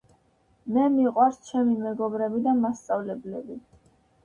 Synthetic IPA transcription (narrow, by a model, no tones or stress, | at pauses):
mɛmiqʼwaɾst͡ʃʰɛmimɛɡɔbɾɛbid̪amast̪sʼavlɛblɛbi